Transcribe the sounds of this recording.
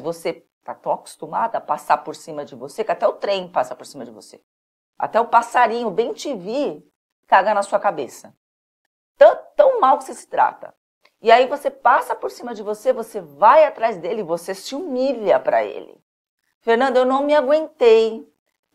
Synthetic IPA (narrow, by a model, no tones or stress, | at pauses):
vose | t̪at̪ɐ̃w̃aku̥st̪umad̪ɐapasaɾpoɾsĩmɐd͡ʒɪvosekɪat̪ɛʊt̪ɾẽj̃pasɐpoɾsĩmɐd͡ʒɪvo̰se | a̰t̪ɛʊpasaɾĩɲʊbẽj̃t͡ʃivi | kaɡɐnɐsuɐkabesɐ | t̪ɐ̃t̪ɐ̃w̃mawkɪ̥sesɪ̥t̪ɾa̰t̪ɐ̰ | ɪaivosepasɐpoɾsĩmɐd͡ʒɪvosevosevajat̪ɾajzd̪elɪɪvosesɪumiʎɐpɾɐ̰ḛlɪ̰ | feɾnɐ̃nd̪ʊewnɐ̃w̃mɪaɡwẽnt̪ej